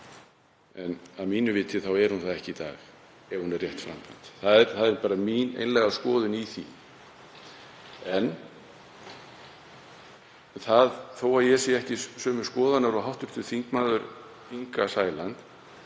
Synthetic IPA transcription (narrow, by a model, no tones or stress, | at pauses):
ɛnaðmiːnʏvɪːt̪ʰɪθawɛɾ̥hunθaðɛhcɪit̪a̰ːx | ɛv̥hunɛrjɛht̪fɾa̰mkʰan̥t̪θaðɛɾθaðɛɾpaːɾaminḛjnlɛɣaskɔːðʏniθḭ | ɛn | θaðθowaɾjɛsjɛɛhcɪsœːmʏ̥skɔːðanaɾɔɦawht̪ʏɾ̥t̪ʏ̥θiŋkmaːðʏɾ | iŋkasaːjlant̪